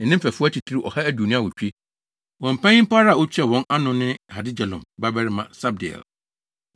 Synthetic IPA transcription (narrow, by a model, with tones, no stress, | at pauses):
n̩˨nːɪ̃˦m̩˦fɛ˨fʊ˦ɔ˦t͡ɕʰi˨tʰi˦ɾi˦ʔɔ̰˨ha˦æ˦du˨nɪ̃˦a˨wɔ˨t͡ɕᶣi˦ | wɔ̃˨m̩˨pʰã˦ɲɪ̃˦m̩˦pʰa˦ɾa˦˨wɔ˦t͡ɕʰᶣɛ˦hɔ̃˨˦na˦nʊ̃˨nɪ̃˦ha˨dɪ˦d͡ʑɛ˨lɔ̰̃˨mba˦bɛ˦ɾɪ˦mã˨sa˦b̚dɪ˨ɛ̰˨l